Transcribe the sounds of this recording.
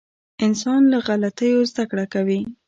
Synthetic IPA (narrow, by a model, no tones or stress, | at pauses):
ɪnsɑnlaɣalat̪əjozd̪akɽakawi